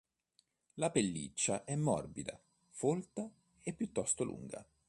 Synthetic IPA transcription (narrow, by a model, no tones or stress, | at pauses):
lapelːḭt͡ʃːaʔɛmːɔ̰rbid̪a̰ | folt̪a | epːjut̪ːɔst̪olʔṵŋɡa̰